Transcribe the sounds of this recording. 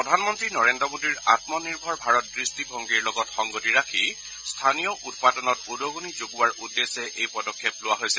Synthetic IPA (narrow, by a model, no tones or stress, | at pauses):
pɹɔdʱanmɔntɹinɔɹendɹɔmodiɹatmɔniɹbʱɔɹbʱaɹɔt̚dɹistibʱɔŋɡiɹlɔɡɔtxɔŋɡotiɹakʰi | stʰanijɔʔut̚padɔnɔtudoɡonizoɡuwaɹudːesɛʔejpɔdɔkʰːjeplʊwaɦojsɛ